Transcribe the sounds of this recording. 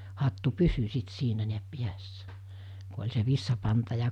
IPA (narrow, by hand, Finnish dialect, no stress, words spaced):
hɑtːu pysy sit siːnæ niæp piæsːæ ku olʲ se ʋisːɑpɑntɑ jɑ